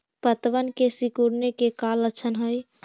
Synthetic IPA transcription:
pət̪ʋənkesikuɾnekekalət͡ʃʰənɦəj

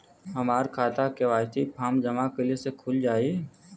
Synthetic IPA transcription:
ɦɐmaːɾkʰaːt̪akeʋaːjt̪ipʰaːmd͡ʒɐmakɪlesekʰʊld͡ʒaːi

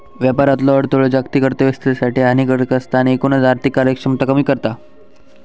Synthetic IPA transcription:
ʋjapaɾat̪lɔəɽt̪oɭed͡ʑakt̪iːkəɾt̪əʋəst̪esaʈiːanikəɾkəst̪aːñiːkonad͡zaɾt̪ikːaɾjəkʂəmt̪akəmiːkəɾt̪a

